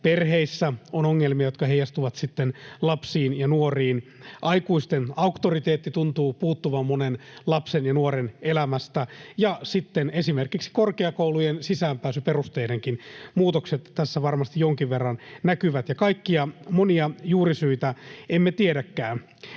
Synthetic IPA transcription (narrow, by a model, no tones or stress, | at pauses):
perɦeisːæonoŋːelmiɑjot̪kɑhejɑst̪uʋɑt̪sit̪ːenlɑpsiːnjɑnuoriːnʔɑikuist̪enɑukt̪orit̪eːt̪ːit̪unt̪uːpuːt̪ːuʋɑmmːonenlɑpsenjɑnuoɾenelæmæst̪æjɑsit̪ːenesimerkiksi̥korkeɑkoulujensisæːmpæːsyperust̪eːdeŋkinmuːt̪okset̪t̪ːæsːæʋɑrmɑst̪ijjoŋkiʋʋerːɑnnækyʋæt̪jɑkɑikːiɑmoniɑjuːrisyit̪æemːet̪iedækːæːn